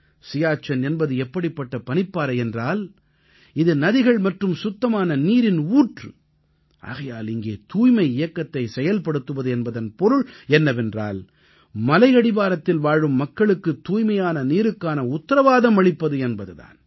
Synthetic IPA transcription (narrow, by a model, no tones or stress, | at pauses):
sɪjaːt͡ʃːɐnɛnbɐðɯɛpːɐɽɪpːɐʈːɐpɐnɪpːaːɾɐɪɛndraːl | ɪðɯnɐðɪɣɐɭmɐʈrɯmsʊt̪ːɐmaːnɐniːɾɪnuːʈrɯ | ʔa̰ːɣɐjaːlɪŋɡeːt̪uːjmɐɪɪjɐkːɐt̪ːɐɪsɛjɐlpɐɽɯt̪ːɯʋɐðɯɛnbɐðɐnpɔɾɯɭɛnːɐʋɛndra̰ːl | mɐlɐɪɐɽɪbaːɾɐt̪ːɪlʋaːɻɯmːɐkːɐɭɯkːɯt̪ːuːjmɐjaːnɐniːɾɯkːaːnɐʊt̪ːɐɾɐʋaːðɐmɐɭɪpːɐðɯɛnbɐðɯða̰ːn